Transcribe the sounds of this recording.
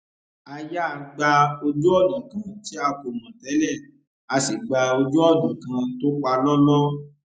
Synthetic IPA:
a˧ja˦˧˨ɡ͡ba˧o˧d͡ʒu˦ɔ˦˨lũ˨kã˦˨ti˨˦a˧ko˨mɔ̃˨tɛ˨˦lɛ˦˨ | a˧si˨ɡ͡ba˧o˧d͡ʒu˦ɔ˦˨dũ˨kã˧to˦k͡pa˧lɔ˦lɔ˦

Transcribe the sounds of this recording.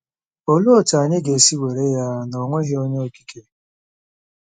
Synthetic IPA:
o˦lu˦ɔ˨ta˨ɲe˦ɡe˨si˦we˨ɾe˦ja˦nɔ˨ŋʷe˦ɣe˦o˦ɲe˦o˦ki̥˦kʰe˦

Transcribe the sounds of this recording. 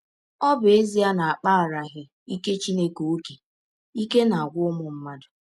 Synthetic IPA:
ɔ˦bʊ˨e˦zi˦a˦na˨a˨k͡pa˦a˨ɾa˨ɣɪ˦ | i˦ke˦t͡ʃi˦ne˦ko˨o˦ke˨ | i˦ke˦na˨a˨ɡʷʊ˦ʊ˦mʊ˨m̩˦ma˦dʊ˨

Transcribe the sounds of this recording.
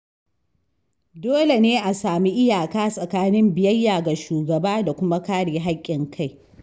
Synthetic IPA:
doː˦le˨neː˦ʔa˨saː˨mi˦ʔɪ˦jaː˨kaː˦sʼɐ˨kaː˦nɪ˦mbɪ˨jɐ˦jːaː˨ɡa˨ʃuː˨ɡɐ˨baː˦da˨kʷʊ˦ma˦kaː˦ɽeː˨ɦa˦kʲʼːɪ˨ŋkʰa˦˨j

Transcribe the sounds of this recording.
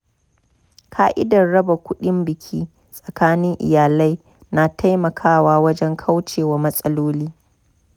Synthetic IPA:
kʰaː˦ʔɪ̰˦dɐ˨rɽɐ˦ba˨kʷʊ˦ɗɪ˦mbɪ˨kʲʰiː˦ | sʼɐ˨kaː˦nɪ˦ŋʔɪ̰˨jaː˨la˦j | na˨tʰa˦jmɐ˨kʰaː˦waː˦wɐ˦d͡ʒɛ˦ŋkʰa˦wt͡ʃeː˨waː˨mɐ˦sʼɐ˦loː˦liː˦

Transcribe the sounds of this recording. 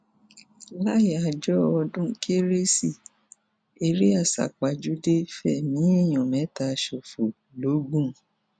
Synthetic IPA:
la˦ji˨a˧d͡ʒɔ˦ɔ˧dũ˦kʰe˦ɾe˦si˦˨ | e˧ɾe˦a˦˨sa̰˨k͡pa˨d͡ʒu˦de˦fɛ˦˨nĩ˨˦i˦˨j̃ɔ̃˨mɛ̃˨˦ta˧˦˧ʃo˨fo˨ | lo˨˦ɡ͡bũ˦

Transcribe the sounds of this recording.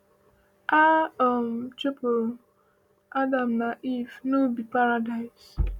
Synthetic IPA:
a˦ɔ˨m̩˨t͡ʃe˦po˨ | a˦da˨m̩na˨ʔi˦˨fno˦bi˨pa˦ɾa˨da˨ɪ˨z

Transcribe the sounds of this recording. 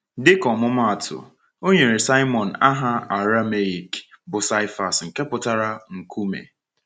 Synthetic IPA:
dɪ˦kɔ˨mʊ˦ma˦a˨tʰʊ̰˨ | o˦ɲe˨ɾe˨sa˦ɪ˦mɔ˨n̩˨a˦ɦa˦a˨ɾa˦me˨i˨k | bʊ˨sa˦ɪ˦fa˨sŋ̩˨ke˦pʊ˨ta˦ɾa˦ŋ̩˨kʰu˦mḛ˨

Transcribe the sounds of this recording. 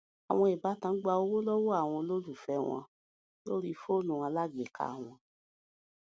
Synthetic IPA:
a˨w̃ɔ̃˧i˨ba˨˦tã˧˦ɡ͡ba˧o˧wo˦lɔ˦wɔ˦a˦˨w̃ɔ̃˧lo˦lu˦˨fɛ˧w̃ɔ̰̃˧ | lo˦ɾi˦fo˦nũ˨ã˧la˦ɡ͡be˨kʰa̰˦˨w̃ɔ̃˧

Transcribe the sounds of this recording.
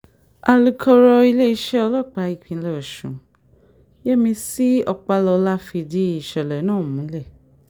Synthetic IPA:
a˨lu˨˧kʰɔ˧ɾɔ˧i˧le˦i˧˦ʃɛ˦ɔ˧lɔ˦˨k͡pa˧˨i˨˧kʰĩ˧˦le˦˨ɔ˨ʃṵ̃˨ | je˦mĩ˧si˦ɔ˧k͡pa˧lɔ˧la˦fi˧di˦i˨ʃɛ˨lɛ˨˦nãː˦˨mũ˨˦lɛ˦˨

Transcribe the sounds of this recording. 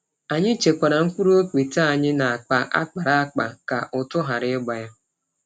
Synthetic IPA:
a˨ɲɪ˦t͡ʃe˨kʷa˨ɾa˨ŋ̩˦kʷu˦ɾu˦o˦kʷi˨ta˦˨ɲɪ˦na˨a˨k͡pa˨ʔa̰˦k͡pa˨ɾa˦a˦k͡pa̰˨ka̰˨ʔʊ˨tʊ˦ɦa˨ɾɪ˦ɪ˦ɡ͡ba˨ja˦

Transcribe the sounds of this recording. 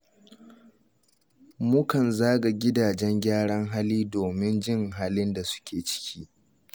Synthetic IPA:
mʊ˦kɐ˨nzaː˦ɡa˨ɡʲɪ˦daː˨d͡ʒɛ˦ŋɡʲaː˦ɽɐ˦ŋɦa˦liː˦doː˨mɪ˦nd͡ʒɪ˦ŋɦaː˦lɪ˦nda˨sʊ̥˦kʲʰeː˨t͡ʃɪ̥˦kʲʰiː˦ʔ

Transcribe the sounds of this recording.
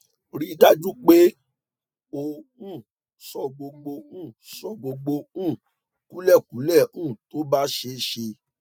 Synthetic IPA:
ɾi˦da˦d͡ʒu˦k͡pe˦ | o˧ũ˦˨ | sɔ˧ɡ͡bo˧ɡ͡bo˧ũ˦˨sɔ˦˨ɡ͡bo˧ɡ͡bo˧ũ˦˨ | ku˨˦lɛ˦˨ku˨˦lɛ˦˨ũ˦˨to˨˦ba˦ʃe˧ʃe˧

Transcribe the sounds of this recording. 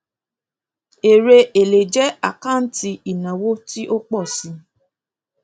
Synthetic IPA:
e˨ɾe˧e˨le˨d͡ʒɛ˦a˦˨kã˦˨n̩˦ti˧i˨nã˨wo˦ti˦ʔo˦k͡pɔ˦˨si˨˧

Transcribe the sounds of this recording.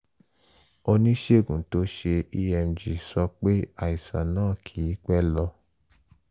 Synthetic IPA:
o˧nĩ˦ʃe˦˨ɡũ˨to˨˦ʃe˧i˧ɛ˧md͡ʒi˨sɔ˧k͡pe˦a˦˨i˨sa̰˨nãː˦˨kʰi˨˦k͡pɛ˦lɔ˧

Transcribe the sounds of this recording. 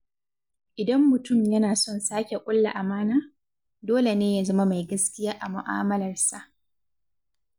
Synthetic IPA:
ʔɪ˨dɐ˦mːʊ˨tʊ˦˨mjɐ˦naː˨sɔ˦nsaː˦kʲe˨kʷʼʊ˦lːa̰˨ʔa˨maː˦naː˦ | doː˦le˨neː˦ja˦zɐ˦ma˦ma˨jɡɐ˦skʲɪ˦jaː˦ʔa˨mʊ˨ʔaː˦mɐ˦lɐ˨rsa˨ʔ

